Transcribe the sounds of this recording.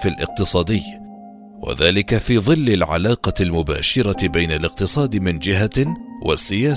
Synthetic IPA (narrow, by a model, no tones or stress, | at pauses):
falʔɪ̰q̚t̪ɨsˤɑːd̪ɪjː | wa̰ðaːlɪkafiːðˤɨlːɪlʕa̰laːqɑlmʊba̰ːʃɪɾˤɑbajnalɪq̚t̪ɨsˤɑːd̪mɪnd͡ʒɪɦawa̰sːɪjaː